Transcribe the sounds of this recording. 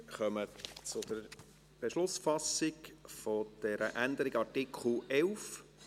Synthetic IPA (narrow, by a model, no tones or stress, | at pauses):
χœmət͡sʊd̪əɾ | b̥eʃlʊsfɑsɪkfɔd̪̥ɛɾəʔænd̪əɾɪɡɑrtɪkχl̩ɛlf